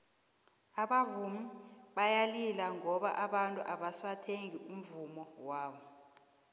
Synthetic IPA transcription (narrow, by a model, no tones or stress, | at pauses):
aɓavumiɓajalilaŋɔɓaʔaɓantʼṵʔaɓasatʰeŋium̩vumɔwaːɓɔ